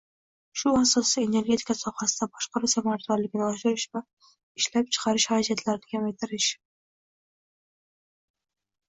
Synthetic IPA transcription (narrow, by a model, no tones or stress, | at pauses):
ʃʊasɒsie̞ne̞ɾɡʲe̞t̪ʰi̥kasɒhasɪd̪abɒʃqɑɾusamaɾt̪aɾlɪɡʲnɪɒʃɪɾɪʃva | ɪʃlap̚t͡ʃʰɨ̥qʰɑɾɪʃhaɾad͡ʒat̪ʰlaɾɪnɪkʲʰamajt̪ʰɪɾɪʃ